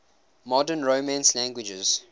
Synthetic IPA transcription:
mɔdənɹomãnslæ̃ŋɡwɪd͡ʒəz̥

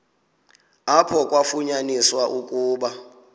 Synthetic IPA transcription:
apʰɔk̬ʼwafuɲaniswaʔukʼuːɓa

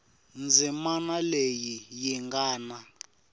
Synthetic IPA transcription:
nd͡zimanalejijiŋɡaːna

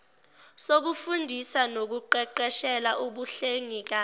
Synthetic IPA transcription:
sok̬ufundʱisanok̬uǃɛǃɛʃɛlaʔuɓuɬeŋik̬a

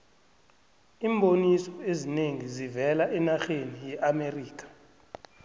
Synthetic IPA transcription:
iːmbonisɔezineŋizivɛlaʔɛnaxenijɛʔameriːk̬ʼḁ

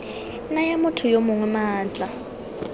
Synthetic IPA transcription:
najamʊtʰʊjomʊŋwɛmaːt͡ɬʼa

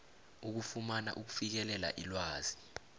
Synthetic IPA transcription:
uk̬ufumana̰ʔuk̬u̥fik̬ɛlɛla̰ʔilwaːz̥i

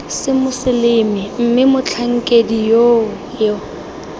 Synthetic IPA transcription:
sɪmʊsɪlɪmɪm̩mɪmʊt͡ɬʰaŋ̩kʼedijo | jo

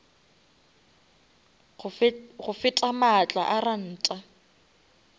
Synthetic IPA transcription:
ɣʊfɪtʼamat͡ɬʼaʔaran̩ːtʼa

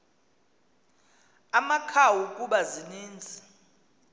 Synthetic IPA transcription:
amakʰawukʼuɓaziniːnd͡zʱi

